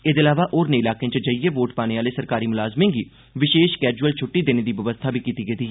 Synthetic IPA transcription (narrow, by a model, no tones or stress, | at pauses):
ɪd̪ɪlaːʋaːʔoːɾnẽːɪlaːkẽt͡ʃəd͡ʒəiːeːʋoːʈpaːñeːaːleːsəɾkaːɾiːmʊlaːzmĩːɡiː | ʋɪʃeːʃkɛːd͡ʒuəlt͡ʃʰʊʈːiːd̪eːneːd̪iːʋəʋəst̪ʰaːbʱiːkiːt̪iːɡed̪iːɦɛː